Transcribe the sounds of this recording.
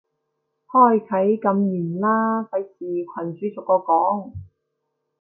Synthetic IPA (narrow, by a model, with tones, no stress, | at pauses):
hɔː˥˩jkʰɐ˨˥jkɐ˨˧mjyː˨˩nlaː˥fʰɐ˨˥jsiː˨kʷʰɐ˨˩nt͡ʃyː˨˥t͡sʊ˨kːɔː˧kɔː˨˥ŋ